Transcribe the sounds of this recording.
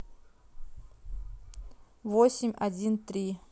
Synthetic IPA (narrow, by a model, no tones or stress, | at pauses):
vosʲɪmʲɐdʲint̪ɾʲi